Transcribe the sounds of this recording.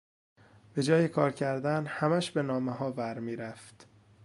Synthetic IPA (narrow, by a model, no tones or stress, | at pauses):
b̥e̞d͡ʒɒːjekʰɒːɾcʰæɾd̪ænhæmæʃbe̞nɒːmeɦɒːvæɾmiːɾæft̪